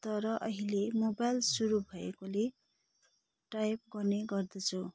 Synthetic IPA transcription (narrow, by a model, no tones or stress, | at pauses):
t̪ʌɾʌʔʌɦilemobajlsuɾubʱʌḛkole | ʈajp̚ɡʌrneɡʌrd̪ʌt͡sʰu